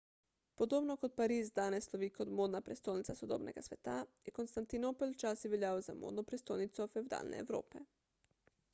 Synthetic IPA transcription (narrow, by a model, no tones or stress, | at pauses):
pod̪obnokot̪̚paɾiːzd̪aːnɛsloʋiːkod̪moːd̪napɾʲest̪ojnit̪sasod̪oːbnɛ̰ɡasʋɛt̪ajɛkonst̪ant̪inoːpolt͡ʃaːsjɛʋeljaːʋoza̰mo̰ːd̪nopɾest̪ojnit̪sɔfewd̪a̰ːlnʔɛ̰ḛwɾo̰ːpɛ